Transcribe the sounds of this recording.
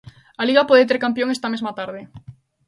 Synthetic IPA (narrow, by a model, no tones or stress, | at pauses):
aliɣɐpoðet̪̬eɾkampjoŋest̪ɐmezmɐt̪aɾðɪ